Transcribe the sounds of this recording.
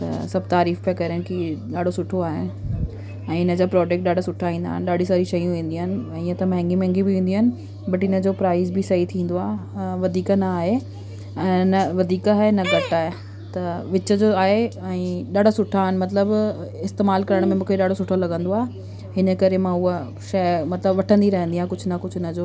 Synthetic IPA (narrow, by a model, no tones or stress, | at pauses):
t̪ɐ̰sɐb̚ʱt̪aːɾiːfpekɐɾənɪkiɗaːɖ̤ʱosʊʈʰoaːɦɪ̰nɪ | ɛ̃ːɦɪnəd͡ʑaːpɾɔːd͡ʑeːk̚ʈ̚ɗaːɖ̤ʱosʊʈʰaĩːn̆d̪a̰ːɦɪnɪ̆ɗaːɖĩsɐɾiʃɐjũʋĩːnd̪iɦəɪnɪ̆iːə̃t̪ɐmɛɦɛ̃ŋɡimɛ̃ɛ̃ŋɡibɪʋĩːn̆d̪iɦənɪ̆ | bɐʈɪnə̆d͡ʑoːpɾaːɪzbɪsɐɦit̪ʰĩːnd̪oaːɦʋɐd̪ʱiːknɐaːɦe | ɛ̃ːnɐʋɐd̪ʱiːkaːɦenɐɡɐʈaːɦe | t̪ɐʋɪt͡ɕəd͡ʑoaːɦeɛ̃ːɗaːɽ̤ʱosʊʈʰaːɦɪnɪ̆mɐt̪ləbɪst̪eːmaːlkɐɾəɽ̃mẽmũːkʰeɗaːɽ̤ʱosʊʈʰolɐɠə̃nd̪oaːɦe | hɪnəkɐɾemãʊɦə | ʃɐmɐt̪ləbʋɐʈʰə̃nd̪iɾɐɦə̃nd̪ijãɪkʊd͡ʑʱʊnɐkʊd͡ʑʱʊɦɪnəd͡ʑoː